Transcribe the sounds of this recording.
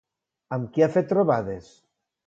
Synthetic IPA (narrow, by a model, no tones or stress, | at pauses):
amkiafet̪ːɾoβaðes